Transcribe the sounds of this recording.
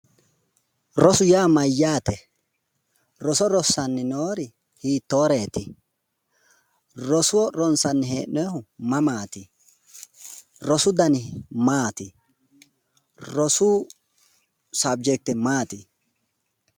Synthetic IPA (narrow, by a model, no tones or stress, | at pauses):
ɾɔsʊjaːmɐjːaːt̪ɛ | ɾɔsɔɾɔsːɐnːɪnoːɾɪ | hiːt̪ːoːɾeːt̪ɪ̰ | ɾɔsʊwɔɾɔnsɐnːɪɦḛːʔɛhʊmɐmaːt̪ɪ | ɾɔsʊd̪ɐnɪmaːt̪ɪ | ɾɔsʊː | sɐb̚d͡ʒɛk̚t̪ːɛmaːt̪ɪ